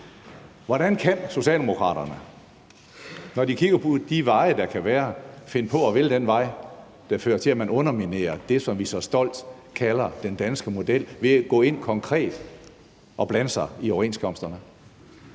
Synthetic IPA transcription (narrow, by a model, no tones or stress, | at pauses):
ʋɒɾ̥ænkʰænso̝ɕɛ̰ːld̥e̝mo̝kʰʁɑ̰̈ːɾ̥ɐnə | nɒdikʰiɡ̥ɐpʰod̥iʋɑ̈ɪəd̥ɑ̈kʰæʋæːɐfe̝nəpʰɒ̽ɒ̽ʋeld̥enʋɑ̈ɪ̰ | d̥ɑ̈fø̰ːɐt͡sʰe̝læmænɔ̽nɐmine̝̰ːɐd̥e̝sɒ̽mʋisɒ̽sd̥ɒ̽l̰d̥ | kʰælɐd̥end̥ænsɡ̥əmo̝d̥el̰ʋe̝ɡ̥ɔ̰̽ːe̝n̰kʰɒ̽ŋkʰʁɛ̰ːd̥ | ɒ̽b̥lænəsɑɪioʊe̝ːnskʰɒ̽msd̥ɐnə